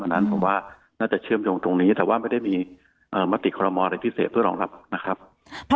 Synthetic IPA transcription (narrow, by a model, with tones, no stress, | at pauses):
a˧˩nːa˦˥npʰo˩˦mwaː˥˩ | naː˥˩t͡ɕa˨˩t͡ɕʰɯ˥˩əmjoː˧ŋt̪o˧ŋniː˦˥t̪ɛː˨˩waː˥˩ma˥˩jda˥˩jmiː˧ | ʔɤː˨˩ma˦˥t̪ːi˨˩kʰɔː˧ɾɔ˧mɔː˧ʔa˧ɾa˧jpʰi˦˥seː˨˩t̪̚ʰɯ˥˩ɐlɔː˩˦ŋla̰˨˩p̚na˦˥kʰɾa˦˥p̚ʰ